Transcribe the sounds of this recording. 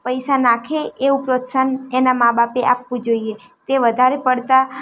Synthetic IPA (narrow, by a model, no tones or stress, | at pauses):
pəjsanakʰeeupɾot̪sənenamabapeʔapʋũd͡ʒoie | t̪eʋəd̪ʱaɾepəɽt̪a